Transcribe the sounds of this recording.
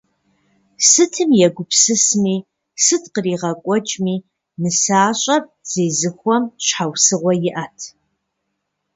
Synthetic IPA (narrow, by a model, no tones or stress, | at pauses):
sɨtʰɨmjɛɡʷʊpʰsɨsmiː | sɨtqəriːʁɐkʷʼɔt͡ʃʼmiː | nɨsaːɕʼɐp̚z̥eːzɨxʷɔmɕħawsɨʁʷɔjɪʔɐtʰ